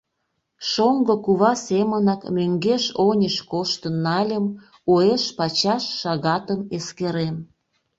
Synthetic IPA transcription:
ʃoŋɡokuβɑsemənɑkmøŋɡeʃonʲəʃkoʃt̪ənːɑlʲəm | oeʃpɑt͡ɕɑʃːɑɣɑt̪əmeskeɾen

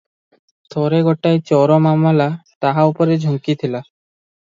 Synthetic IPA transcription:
t̪ʰɔɾeɡɔʈajt͡ɕɔɾɔmamalat̪aɦaupɔɾed͡ʑʱuŋkit̪ʰila

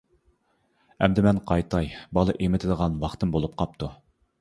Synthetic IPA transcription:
ɛmd̪ɪmɛnqʰɑjt̪ʰɑjbɑlˠɨʔemɪt̪ʰɪd̪əʁɑnwɑχt̪ɨmbolˠup̚qʰɑp̚t̪ʰu

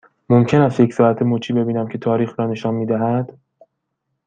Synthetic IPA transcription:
momcʰe̞næst̪jecsɒːæt̪ʰemoːt͡ʃʰiːbe̞biːnæmcʰe̞t̪ʰɒːɾiːxɾɒːne̞ʃɒːnmiːd̪æɦæd̪̥

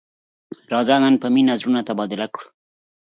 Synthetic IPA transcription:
ɾɑzaɡanpəminazɾunat̪abɑd̪ɪlakɽu

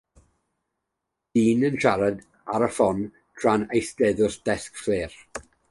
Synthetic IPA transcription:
d̥iːnənʃaɾɛd | aɾəfɔn | d̥ʰr̥anejθd̥ɛðʊsd̥ɛskfleːr

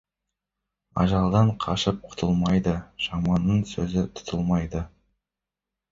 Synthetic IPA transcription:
ɑ̰ʒɑlˠd̪ɑɴqʰɑʃəp̚qʰʊ̥t̪ʰəlˠmɑjd̪əʒ̥ɑmɑnːəɴsɵzɪt̪ʰʊ̥t̪ʰəlˠmɑjd̪ə

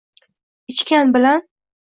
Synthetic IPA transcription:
ɪt͡ʃkʲanbɪlan

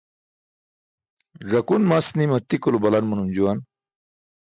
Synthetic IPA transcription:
ʐɐkunmɐsnimɐt̪ikulubɐlɐnmunund͡ʑuwɐn

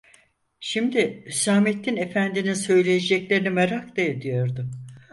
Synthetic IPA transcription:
ʃimd̪iysaːmet̪ʰːinefænd̪ininsø̞jlʲejed͡ʒɛclʲeɾinimɛɾakd̪ed̪ijo̞ɾd̪ʊ

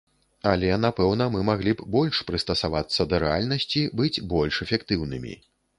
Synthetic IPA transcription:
ɐlʲɛnapɛwn̪ɐmɨmaɣlʲibbɔlʲʂpɾɨst̪ɐsavat̪sːɐd̪ɐɾɛalʲnɐsʲt͡sʲibɨd͡zʲbɔlʲʂɛfʲɛkt̪ɨwnɨmʲḭ

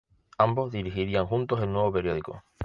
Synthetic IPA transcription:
ambo̞zðiɾixiɾiaŋxunt̪ose̞lnwe̞βope̞ɾjo̞ð̞iko̰

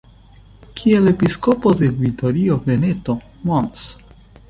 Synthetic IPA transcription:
kʰielepiskopod̪evit̪oɾiovenet̪o | mons

